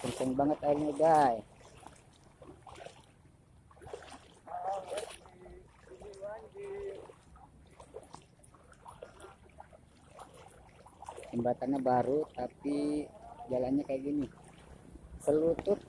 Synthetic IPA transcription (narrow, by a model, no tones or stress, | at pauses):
pənsəŋbaŋət̪ahilɲaɡaj | t̪imbat̪anɲabaɾut̪apid͡ʒalanɲakajaɡini | səlut̪ʊt̪̚